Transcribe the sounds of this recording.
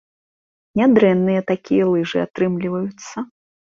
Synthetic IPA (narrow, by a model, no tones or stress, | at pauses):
nʲad̪ɾɛnːɨjɛt̪akʲijɛlˠɨʐɨat̪ɾɨmlʲivɐjut̪sːɐ